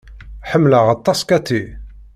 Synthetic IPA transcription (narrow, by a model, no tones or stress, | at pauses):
ħəmːləʁɑt̪ˤːɑskæt̪ːi